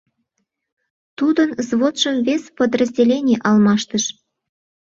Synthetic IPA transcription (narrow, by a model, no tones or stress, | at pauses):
t̪ud̪ənzβot̪ʃəmvesʲpəd̪rəzʲdʲelʲenʲijʔɑlmɑʃt̪əʃ